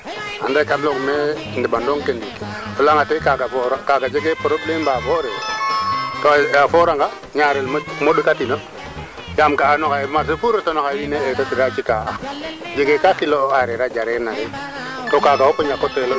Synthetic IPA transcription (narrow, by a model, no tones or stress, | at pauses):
a̰dekablokme | ndibandoŋkendiki | olaŋatekaɡafoɾakaɡad͡ʒeɡepoɾoblembafoɾe | toafoɾaŋɡa | ɲaɾelmmoɗukatino | jamkaːnokamas̬efuɾotonokawineetotiɾat͡ʃikaad͡ʒeɡekakiloaɾeɾad͡ʒaɾenaɾe | tokaɡahopoɲakotelo